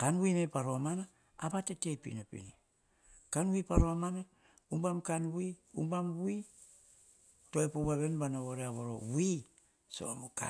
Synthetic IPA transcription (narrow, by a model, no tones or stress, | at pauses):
kanwimepaɾoamana | abatetepḭnopḭni | kanwipaɾoamana | umbamkanwiumbamwi | toepoβaβenbanaβoɾeaβoɾowi | so̰amoka̰